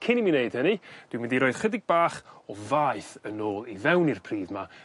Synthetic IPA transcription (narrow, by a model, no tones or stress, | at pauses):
kʰɪnimineɨd̥hənid̥wɪwɪndiɾoːɨð̥χədɪɡ̚baːχɔvaɨθənoːlˠivɛwnirpʰr̥iːðma